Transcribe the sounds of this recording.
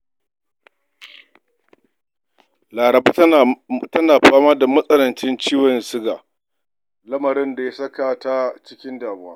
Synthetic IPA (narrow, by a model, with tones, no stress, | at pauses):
laː˨ɾɐ˨ba˦˨tɐ˦naː˨ɸaː˦maː˦da˨mɐ˦sʼɐ˦lɐ˨nt͡ʃɪ˦nt͡ʃiː˦wɐ˨nsɪ˦ɡa̰ː˨ | lɐ˦mɐ˨ɾɪ˦nda˨ja˦sɐ˦ka˨ta˦t͡ʃɪ˦kʲɪ˦ndaː˨bʊ˦waː˦